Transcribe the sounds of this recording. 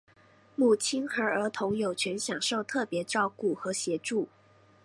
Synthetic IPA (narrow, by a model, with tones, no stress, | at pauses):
mu˨˩t͡ɕʰi˥nxə˞˧˥ə˞˧˥t̪ʰʊ˧˥ŋjo˨˩ʊt͡ɕʰɥɛ˧˥nɕjɑ˨˩ŋʂo˥˧ʊt̪ʰɤ˥˩pjɛ˧˥ʈ͡ʂɑ˥˧ʊku˥˩xɤ˧˥ɕjɛ˧˥ʈ͡ʂu˥˩